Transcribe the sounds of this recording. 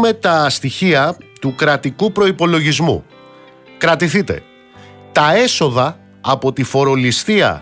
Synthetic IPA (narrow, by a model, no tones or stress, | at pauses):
me̞t̪ɐst̪içiɐt̪ukɾɐt̪ikupɾo̞ipo̞lo̞ʝizmṵ | kɾɐt̪iθit̪e̞̰ | t̪ɐe̞so̞ðɐː | po̞t̪ifo̞ɾo̞list̪iɐ̰